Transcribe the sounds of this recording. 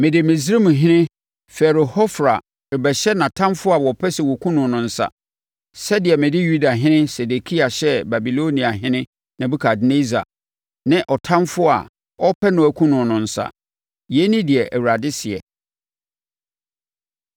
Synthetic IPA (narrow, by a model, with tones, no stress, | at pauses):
mɪ̃˨dɪ˨mɪ̃˨si˦mũ˨ɦɪ̃˦nɪ̃˦ | fɛ˨ɾʊ˨hɔ˦fɾa˨ | ɪ˨bɛ˨ɕɛ˦nã˨tʰã˦mfʊ˦a˨wɔ˨pʰɛ˦sɛ˨wɔ˨kʰũ˦nʊ̃˨nʊ̃˨n̩˦sa̰˨ | sɛ˦dɪ˨ɛ˨mɪ̃˨dɪ˦ju˦da˨ɦɪ̃˦nɪ̃˦se˨de˨kʰi˦a˨ɕɛ˦ba˨bi˨lo˦nĩ˨a˨ɦɪ̃˦nɪ̃˦ | nã˨bu˦kʰa˨dne˦za̰˨ | nɪ̃˦ʔɔ˨tʰã˦mfʊ˦a̰˨ | ɔ˦pʰɛ˦nʊ̃˨æ˨kʰʷũ˦nʊ̃˨nʊ̃˨n̩˨˦sa̰˨ | jɛ˨˦nĩ˦dɪ˨ɛ˨ʔæ˨wu˨ɾa˨dɪ˦sɪ˨ɛ̰˨